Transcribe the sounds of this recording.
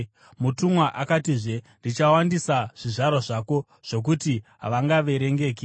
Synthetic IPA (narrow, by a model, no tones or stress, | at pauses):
mutumwaʔakatiʐe̞ndit͡ʃawandisaʐ̥iʐaɾoʐaːko̞ | ʐ̥o̞k̬utiɦa̰ʋaŋɡaʋe̞ɾe̞ŋɡe̞ːki